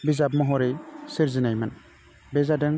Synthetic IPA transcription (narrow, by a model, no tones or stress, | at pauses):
bizabmɔɦɔɾejsiɾzinajman | bɛzadɛŋ